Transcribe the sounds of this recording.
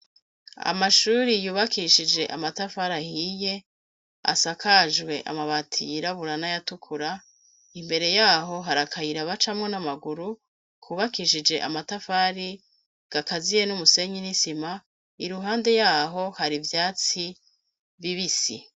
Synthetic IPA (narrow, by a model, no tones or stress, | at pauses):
a̰maʃuːɾijuːβakiʃid͡ʒe̞ʔamatafaɾahije̞ | a̰sakʰaʒɡwe̞ʔa̰maβatʰijiɾaβuɾanajatukʰuɾa | imbe̞ɾe̞jaːɦo̞ɦaɾakʰahiɾaβat͡ʃamŋonamaɡuɾu | kʰuːβakiʃid͡ʒe̞̰ʔamatafaɾi | ɡ̥akazije̞numuse̞ɲinisima | iɾuɦaːnde̞jaːɦo̞haɾivjaːt͡si | viβisḭ